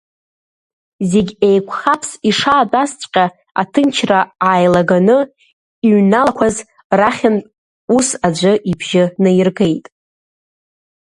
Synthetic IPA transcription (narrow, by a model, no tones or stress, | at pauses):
zeɡʲejkʷʰʼχapʰsiʂaːtʼast͡sʷʼqʲʼa | a̰tʰɨnt͡ʃʰraajlaɡanɨ | iɥnalakʷʰaz | raχʲantʼ | usad͡ʒʷɨʔibʒɪnɨjrɡe̞jtʼ